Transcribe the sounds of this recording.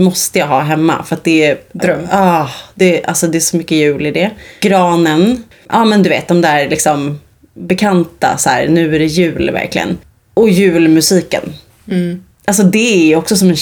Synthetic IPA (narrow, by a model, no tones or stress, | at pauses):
mɔst̪əjɑɦɑːɦɛmːa̰fœɾat̪̚d̪ɛd̪ɾɑːd̪̥ɛʔa̰lsɔd̪ɛæʂɔmʏkːəjʉ̟ːlɪd̪ɛɡ̥ɾɑːnən | ʔɑːmɛnd̪ɵvḛːt̪̚d̪ɔmd̪æːɾlɪksɔm | bɛkʰant̪a̰sæ̰ːɾnʉ̟ːæɖɛjʉ̟ːlvæ̰ɾklɪɡə̰n | ɔjʉ̟ːlmɵsiːkə̰n | ʔals̬ɔd̪ɛæjɔksɔsɔmɛn